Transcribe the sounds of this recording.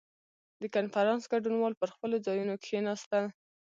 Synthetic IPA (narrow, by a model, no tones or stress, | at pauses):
d̪əkanfaɾɑnsɡaɖunwɑlpəɾxpəlod͡zɑjunokxenɑst̪a